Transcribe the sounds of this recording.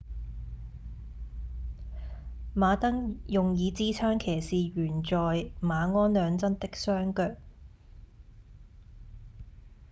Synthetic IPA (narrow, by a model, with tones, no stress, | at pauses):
maː˨˧t̪ɐ˥ŋjʊ˨ŋjiː˨˧t͡siː˥t͡sʰaː˥ŋkʰeː˨˩jsiː˨ɥyː˨˩nt͡ʃɔː˨jmaː˨˧ŋɔː˥nlœː˨˧ŋt͡sɐ˥nt̪ɪ˥k̚sœː˥ŋkœː˧k̚